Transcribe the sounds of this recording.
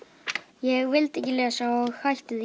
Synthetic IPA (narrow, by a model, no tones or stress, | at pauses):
jɛɣvɪlt̪ɛhcːɪlɛːɣasaɔɣhajht̪ɪð